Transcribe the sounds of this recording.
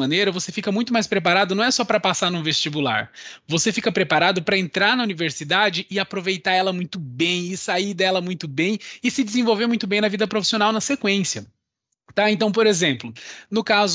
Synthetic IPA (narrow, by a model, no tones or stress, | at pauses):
ɐ̃nejɾɐvosefikɐmũj̃t̪ʊmajspɾepaɾad̪ʊnɐ̃w̃ɛsɔpɾɐpasaɾnũvest͡ʃibula̰ɾvosefikɐpɾepaɾad̪ʊpɾɐẽnt̪ɾaɾnɐuniveɾsid̪ad͡ʒɪʔɪapɾovejt̪aɾɛlɐmũj̃t̪ʊbẽj̃ɪsaid̪ɛlɐmũj̃t̪ʊbẽj̃ɪsɪd͡ʒɪzẽvowveɾmũj̃t̪ʊbẽj̃nɐvid̪ɐpɾofi̥sionawnɐsekwẽsjɐ | t̪aẽnt̪ɐ̃w̃poɾezẽmplʊnʊkaz